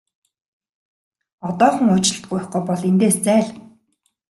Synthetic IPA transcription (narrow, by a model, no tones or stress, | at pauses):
ɔt̪ɔːχə̆ŋʊt͡ɕɪ̆ɬt̪ɢʊjɪ̆χɡʊjpɔɮent̪eːst͡sæːɮ